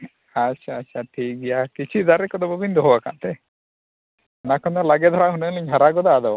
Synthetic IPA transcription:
atʃʰaːt͡ʃʰaʈʰik̚ɡɛjakit͡ʃʰid̪aɾɛkɔd̪ɔbɔbind̪ɔɦɔwaka̰ʔt̪ɛ | ɛnakʰɔnd̪ɔlaɡɛd̪ʱɔɾaɦunəŋliɲɦaɾaɡɔd̪ad̪ɔ

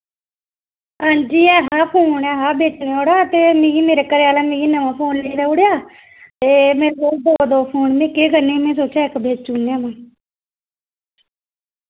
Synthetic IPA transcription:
aːnd͡ʒiːɛːɦaːpʰoːɳɛːɦaːbʱeːt͡ʃneːoːɽaːt̪eːmĩːimeːɾekəɾejaːlaːmĩːinəmãːpʰoːnːeːɾaːoɽjaː | t̪eːmeːɾoːd̪oːd̪oːpʰoːɳmẽːkeːɡənemẽːs̬oːt͡ʃaːekəbʱeːd͡ʒt͡ʃuːnaːmãː

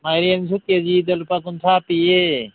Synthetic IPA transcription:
majɾiɐmsuked͡ʒid̪ɐlpakunt̪ʰapie

